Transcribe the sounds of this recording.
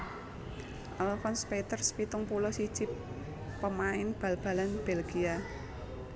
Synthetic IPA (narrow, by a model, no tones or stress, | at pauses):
ʔalɔfɔnspet̪ərspit̪ʊŋpulɔsid̥ʒ̥ɪ̤pː | əmaɪnb̥a̤lb̥ä̤lanb̥elɡ̥ia